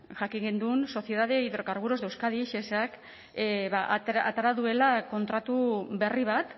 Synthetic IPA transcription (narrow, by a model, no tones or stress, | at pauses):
ʝakiɡend̪unso̞θje̞ðaðe̞iðɾo̞kaɾɣuɾo̞zd̪e̞wskaðiʃesak | βaʔa̰t̪aɾaðue̞lako̞nt̪ɾat̪uβe̞riβat̪